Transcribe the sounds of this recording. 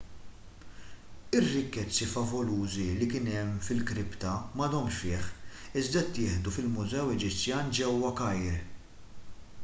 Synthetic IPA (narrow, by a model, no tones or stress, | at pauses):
ɪrːɪkːɛt͡sːifɐvɔluːzilikɪnɛmfɪlkɾɪpt̪ɐmɐd̪ɔmʃfɪːħɪzd̪ɐt̪ːɪːħd̪ufɪlmʊzɛwɛd͡ʒɪt͡sːjɐːnd͡ʒɛwːɐkɐjɾ